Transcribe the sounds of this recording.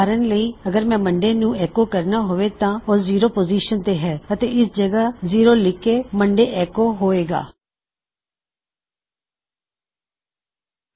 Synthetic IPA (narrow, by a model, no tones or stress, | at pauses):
aːɾənləiːəɡəɾmɛ̃ːməɳɖeːnũːɛːkoːkəɾnaːɦoːʋeːt̪ãːʊsziːɾoːpoːziːʃənt̪eːɦɛːət̪eːɪsd͡ʒəɡaːziːɾoːlɪkeːməɳɖeːʔɛːkoːɦoːeːɡa̰ː